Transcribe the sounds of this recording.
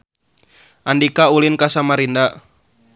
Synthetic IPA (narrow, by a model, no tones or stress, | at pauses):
ʔandikaulinkasamaɾinda